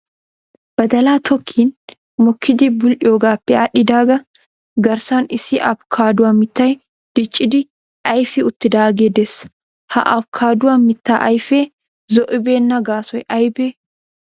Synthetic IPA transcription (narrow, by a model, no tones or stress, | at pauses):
b̥ɐd̪ɐlaːt̪ʰɔkʰːiːn | mɔkʰːɪd̪ɪbʊlʔɪoːɡaːpːɛaːᶑɪd̪aːɡɐ | ɡɐɾsaːnɪsɪʔɐb̚kʰaːd̪ʊwamːɪt̪ːɐj | d̪̥ɪt͡ʃʼːɪd̪ɪ | ʔɐjfɪʊt̪ːɪd̪aːɡeːd̪ɛs | ha̰ʔɐbkʰaːd̪ʊwamːɪt̪ːaːʔɐjfeː | zɔʔɪbeːnːɐɡaːsɔjʔɐjbeː